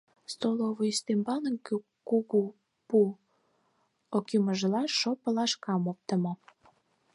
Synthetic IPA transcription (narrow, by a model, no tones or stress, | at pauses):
st̪oloβoist̪embɑnəŋk | kuɣu | pu | okiməʒlɑʃopəlɑʃkɑmop̚t̪ə̆mo